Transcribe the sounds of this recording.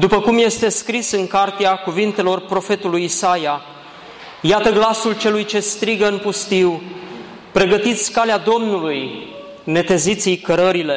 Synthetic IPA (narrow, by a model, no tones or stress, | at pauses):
d̪upəkumje̞st̪e̞skɾisɨŋkart̪ejakuvint̪e̞lo̞rpɾo̞fe̞t̪ulujisaja | jat̪əɡlasult͡ʃe̞lujt͡ʃe̞st̪ɾiɡəɨnpust̪iw | pɾe̞ɡət̪it̪sʲkalead̪o̞mnuluj | ne̞t̪e̞zit̪sijkəɾəɾile̞